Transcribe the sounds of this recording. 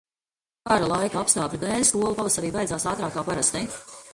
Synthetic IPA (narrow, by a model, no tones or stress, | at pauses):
kaɾalˠajkaapst̪aːplʲid̪ɛːlʲskuɔlˠupalˠasaɾiːvajd̪zaːsaːt̪ɾaːkːaːpaɾast̪ɛ